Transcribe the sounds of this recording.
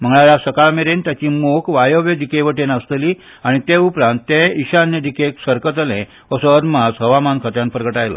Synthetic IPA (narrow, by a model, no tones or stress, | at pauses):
m̤əŋɡɭaljasəkaɭmeɾent̪jat͡ɕiːmokʰʋajoʋjəd̪ʱikeʋəʈenəst̪əliː | aɽ̃it̪eupɾãnt̪ːẽiɕanjəd̪ʱikeksəɾkət̪əlẽ | əsəːɾmasɦəʋamankʰət̪jãnpɾəɡəʈajla̰